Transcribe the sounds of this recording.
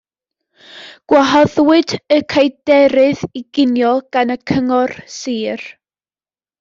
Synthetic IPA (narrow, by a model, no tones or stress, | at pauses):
ɡ̥waɦɔðwɨdəkʰajdɛɾɨðiɡ̥ɪnjɔlˠɡ̥anəkʰəŋɔrsiːr